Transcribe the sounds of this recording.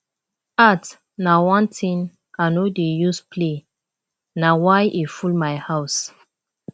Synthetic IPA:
at | nawɔ̃ntʰĩn | anodejuspʰle | nawajʔifulmajhaws

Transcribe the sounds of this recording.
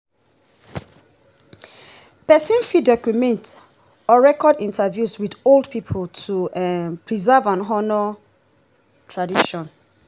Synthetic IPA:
pɛsĩnfidɔkumɛ̃nt | ɔɹɛkɔdĩntʰavjuswidoldpʰipʰoltʰuɛpɹizɛvãnɦɔnɔ | tʰɹadiʃɔ̃n

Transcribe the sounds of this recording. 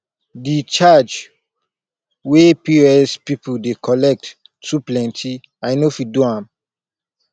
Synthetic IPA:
dit͡ʃad͡ʒ | wepiɛspipudekʰɔlɛk̚tː | uplɛ̃ntʰi | ajnofiduhãm

